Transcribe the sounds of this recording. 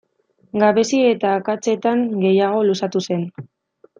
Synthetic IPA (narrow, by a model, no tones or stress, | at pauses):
ɡaβe̞siet̪aːkat͡se̞t̪aŋɡe̞jaɣ̞o̞lusat̪use̞n